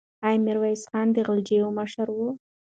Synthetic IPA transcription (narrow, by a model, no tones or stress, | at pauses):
ɑjmɪɾwajsχɑːnd̪əɣəld͡ʒejoməʃaɾwu